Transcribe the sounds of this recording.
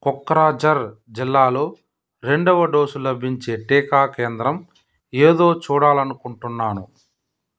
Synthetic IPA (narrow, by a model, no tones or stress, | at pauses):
kɔkːɐɾaːd͡ʒɐɾd͡ʒilːaːlo̞ː | ɾe̞ɳɖɐʋɐɖo̞ːsulɐbʱiɲt͡ʃeːʈeːkaːkeːnd̪ɾɐm | eːd̪o̞ːt͡ʃuːɽaːlɐnukuɳʈunːaːnu